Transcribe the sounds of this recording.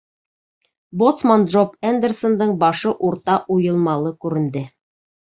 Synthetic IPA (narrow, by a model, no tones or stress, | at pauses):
bot̪smand̪ʒopænd̪ersond̪ɤɴbɑʃɤʔuɾt̪ɑʔujɤ̆lˠmɑlˠɤkʉɾɘ̆nd̪ɘ